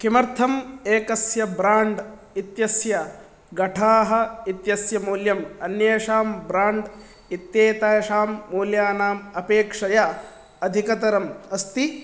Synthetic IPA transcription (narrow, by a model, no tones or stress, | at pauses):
kimɐɾt̪ʰɐmeːkɐsjɐbɾaːɳɖ | it̪jɐsjɐ | ɡɐʈʰaːɦɐ̆it̪jɐsjɐmuːljɐmɐnjɐːʂaːmbɾaːɳɖ | it̪jeːt̪aːjɐʃaːmːuːljaːnaːmɐpeːkʂɐjɐ | ɐd̪ʱikɐt̪ɐɾɐmɐst̪i